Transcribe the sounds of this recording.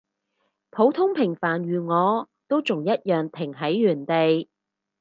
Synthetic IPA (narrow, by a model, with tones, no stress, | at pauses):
pʰo˨˥wt̪ʰʊ˥ŋpʰɪ˨˩ŋfaː˨˩nɥyː˨˩ŋɔː˨˧ | t̪o˥wt͡sʊ˨ŋjɐ˥t̚jœː˨˩ŋt̪ʰɪ˨˩ŋɦɐ˨˥jːyː˨˩nt̪e˨j